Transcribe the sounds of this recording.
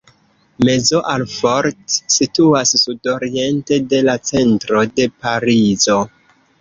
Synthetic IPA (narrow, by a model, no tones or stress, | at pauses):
me̞zoʔalfoɾtsituasːudo̞ɾie̞nte̞de̞lat͡se̞ntɾo̞de̞paɾizo̞